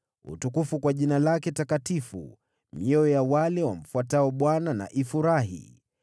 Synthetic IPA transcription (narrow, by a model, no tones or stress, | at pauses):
ṵtukufukwaʄinalakɛtakatifṵ | mɔɔjawalɛwam̩fuataɔɓwanana̰ʔifuɾaɦḭ